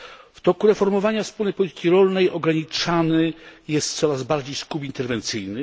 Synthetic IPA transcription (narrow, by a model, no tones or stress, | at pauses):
ft̪ɔkuɾɛfɔɾmɔvaɲafspulnɛjpɔlʲit̪ɘ̥kʲiɾɔlnɛjʔɔɡɾaɲit͡ʂanɘjɛst̪̚t̪sɔɾazbaɾd͡ʑejskupint̪ɛɾvɛnt̪sɘjnɘ